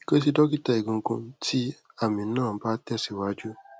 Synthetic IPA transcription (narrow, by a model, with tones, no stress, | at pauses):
i˦ke˦s̬i˧dɔ˦ki˦ta˦˨i˨ɡũ˨˦ɡũ˧ti˦ | a˦˨mĩ˨˧˦nãː˦˨˦ba˦tɛ˦˨si˨wa˦d͡ʒu˦